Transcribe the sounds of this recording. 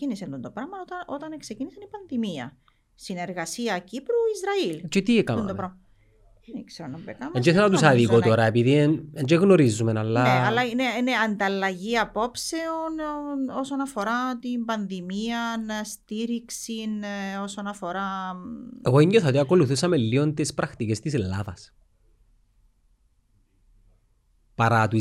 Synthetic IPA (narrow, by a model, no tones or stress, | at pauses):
cinisend̪unt̪opɾɐmɐot̪ɐot̪ɐnkse̞cinisɐnipɐnðimiɐ̰ | sine̞ɾɣɐsiɐcipɾuizɾɐilt͡ʃet̪ikɐmnt̪opɾɐmɐ | nikseɾonɐmbekɐmɲd͡ʒeθelonɐt̪usɐðikot̪oɾɐepiðineɲd͡ʒeɣno̞ɾizumenɐlːɐeɐlːɐineineɐnd̪ɐlːɐʝiɐpo̞pse̞onosonɐfo̞ɾat̪imbɐnðimiɐnst̪iɾiksino̞sonɐfo̞ɾa | eɣoiɲoθɐot̪iɐko̞luθusɐmelːiont̪ispɾɐxt̪icest̪iselːa̰ðɐs | pɐɾat̪u